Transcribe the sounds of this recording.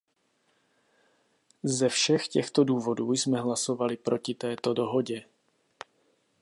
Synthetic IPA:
zɛfʃɛxcɛxt̪oduːvo̞duːjsmɛɦlaso̞valɪpɾʔo̞cɪt̪ɛːt̪o̞do̞ɦo̞ɟɛ

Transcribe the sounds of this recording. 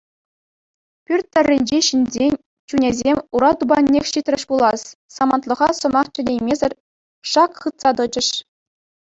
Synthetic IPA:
pʲyrʲt̪ʲːɘ̆rʲːinʲd͡ʑeɕinʲzʲenʲ | t͡ɕunʲezʲemʲuɾɑt̪ubɑnʲːexʲɕit̪ʲrʲɘ̆ʂpulˠɑssɑmɑnt̪lˠɤ̆ʁɑsɤ̆mɑχt͡ɕɘ̆nʲejmʲezʲɘ̆rʲ | ʂɑkχɯt̪sɑt̪ɤ̆d͡ʑɘ̆ʂ

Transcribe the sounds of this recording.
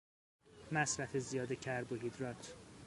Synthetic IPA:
mæsɾæfezijɒːd̪ecʰæɾboɦid̪ɾɒt̪ʰ

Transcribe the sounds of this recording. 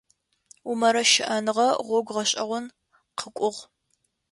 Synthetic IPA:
umɐɾɐʃɪʔɐnɨʁɐʁʷɔɡʷʁɐɕʼɐʁʷʊn | qʰəkʷʼʊʁ

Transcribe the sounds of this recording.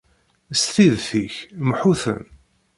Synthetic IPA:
sθiðθiçmħuθə̰n

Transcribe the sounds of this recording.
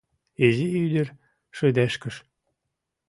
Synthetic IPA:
eziyd̪ə̆r | ʃød̪æʃkə̆ʃ

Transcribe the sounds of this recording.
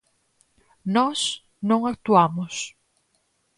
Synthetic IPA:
nɔs | nõŋak̚t̪uamʊs

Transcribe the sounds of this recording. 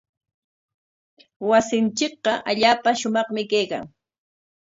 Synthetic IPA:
wasɪnt͡ʃɪk̚ɢɑʔaʎaːpaʃʊmɑχmɪkejka̰ŋ

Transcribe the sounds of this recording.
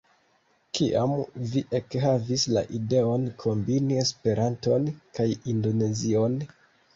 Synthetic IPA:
kiʔamviʔekhavisla̰ʔide̞o̞nkʰo̞mbinie̞spe̞ɾanto̞nkajindo̞ne̞zio̞n

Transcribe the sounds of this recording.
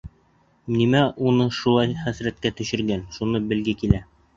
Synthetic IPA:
nimæunɤʃulˠɑjχæsɾæt̪̚kæt̪ɵ̆ɕɘ̆ɾɡænʃunɤbɘ̆lɡɘkilæ

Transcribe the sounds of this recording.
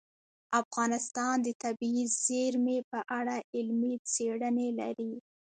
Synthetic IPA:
afɣɑnɪst̪ɑnd̪ət̪abiiz̥eɾmepəʔaɽaɪlmit͡seɽənela̰ɾi

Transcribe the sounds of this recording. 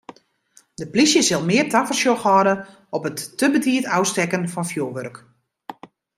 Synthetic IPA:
dəplisjəsɪlˠmɪːrtafəsjoxɔːdə | ɔpətːəbətiətawstɛkənfɑnfjoːʋørk

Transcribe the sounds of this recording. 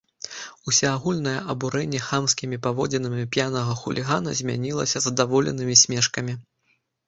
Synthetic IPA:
usʲaaɣulʲn̪ɐjɛ̰ʔɐbuɾɛnʲːɛxamskʲimʲipavɔd͡zʲɛnɨmʲipʲjanɐɣɐxulʲʔiɣanɐ̰zʲmʲa̰nʲilˠɐ̰sʲɐzɐd̪avɔlʲɛ̰n̪ɨmʲisʲmʲɛʂkɐmʲi

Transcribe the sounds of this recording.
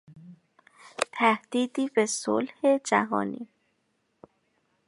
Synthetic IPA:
t̪ʰæhd̪̥iːd̪iːbeso̰lhe̞d͡ʒæ̰ɦɒ̰ːnḭː

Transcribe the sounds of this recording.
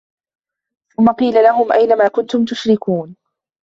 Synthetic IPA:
θʊmːɑqiːlalaɦʊmʔajnamaːkʊnt̪ʊmt̪ʊʃɾɪkuːn

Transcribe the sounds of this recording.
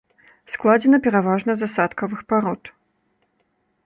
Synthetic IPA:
sklˠad͡zʲɛnɐpʲɛɾavaʐnɐzasat̪kɐvɨxpaɾɔt̪

